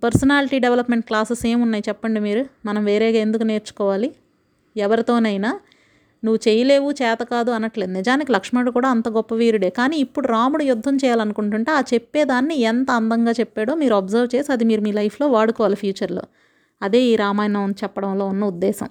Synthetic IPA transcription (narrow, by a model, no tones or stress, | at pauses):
pɐɾsɐnaːliʈiːɖeʋlɐpmeɳʈ̚klaːsese̞ːmunːaːjit͡ʃɛpːɐɳɖimiːɾumɐnɐmʋe̞ːɾɛːɡaːe̞nd̪ukune̞ːɾt͡ʃu̥kɔːʋaːli | ɛʋɐɾit̪o̞ːnɐjinaː | nuʋːut͡ʃejɐle̞ːʋut͡ʃɛːt̪ɐkaːd̪uɐnɐʈle̞ːd̪unɛd͡ʒaːnikilɐkʂmeɳʈukuːɽaːɐnt̪ɐɡɔpːɐʋiːɾuɽe̞ːkaːniːipːuɽuɾaːmuɽujud̪ʱːɐmt͡ʃɛːjaːlɐnukuɳʈuɳʈe̞ːaːt͡ʃe̞pːe̞ːd̪aːnːiɛnt̪ɐɐnd̪ɐŋɡaːt͡ʃepːeːɽo̞ːmiːɾuɐbzɐɾʋt͡ʃeːsiɐd̪imiːɾumiːlɐjpʰlo̞ːʋaːɽukɔːʋaːlipʰjuːt͡ʃɐɾlo̰ː | ɐd̪e̞ːiːɾaːmaːjnɐmɐnt͡ʃɛpːɐɽɐmlo̞ːunːɐud̪ːɛːsɐ̰m